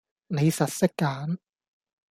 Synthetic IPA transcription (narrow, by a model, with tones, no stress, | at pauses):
ne˨˧jsɐ˨t̚sɪ˥kːaː˨˥n